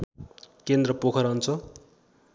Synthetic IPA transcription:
kend̪rʌpokʰʌɾʌnt͡sʰʌ

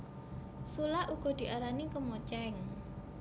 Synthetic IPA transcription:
sulahuɡ̥ɔ̤d̪̥i̤ʔaɾanikəmot͡ʃɛŋ

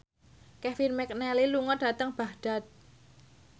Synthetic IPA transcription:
kɛfirmɛk̚nɛliluŋɔd̥a̤t̪əŋb̥a̤hɖ̥a̤t̪̚

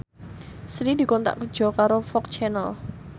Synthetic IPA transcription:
sɾidi̤kɔnt̪a̰ʔkər̥d͡ʒ̥ɔ̤kaɾofɔk̚t͡ʃɛnəl

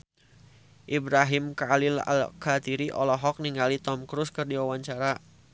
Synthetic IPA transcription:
ʔibɾaɦimkalɪla̰lkat̪iɾiʔɔlɔɦɔk̚niŋɡalit̪ɔmkɾuskɨrdiwawaɲt͡ʃaɾa

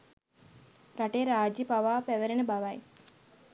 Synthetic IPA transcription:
ɾaʈeːɾaːd͡ʒipaʋaːpæʋeɾenəbaʋaj

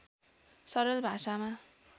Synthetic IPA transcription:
sʌɾʌlbʱasama

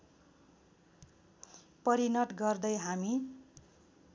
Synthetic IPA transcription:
pʌɾinʌʈɡʌrd̪ʌjɦami

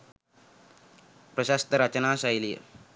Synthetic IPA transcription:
pɾəɕast̪əɾat͡ɕənasajlḭ

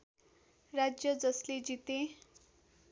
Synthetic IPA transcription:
rad͡zjʌd͡zʌsled͡zit̪ẽ

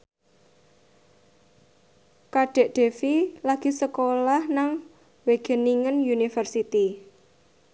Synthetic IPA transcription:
kaɖ̥ɛ̤ʔɖ̪̥e̤filaɡ̥i̤səkolahnaŋ | weɡ̥ə̤niŋənjunifərsit̪i

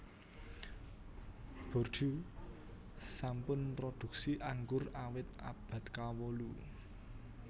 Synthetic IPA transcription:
b̥ɔ̤rʒ̥u | sampʊnpɾɔd̪̥ṳk̚siʔaŋɡʊrawɪt̪̚a̰b̥a̤t̪kawolu

